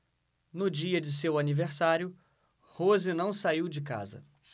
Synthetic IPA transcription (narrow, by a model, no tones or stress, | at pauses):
nʊd͡ʒiɐd͡ʒɪsewaniveɾsaɾjʊ | hozɪnɐ̃w̃saiwd͡ʒɪka̰zɐ̰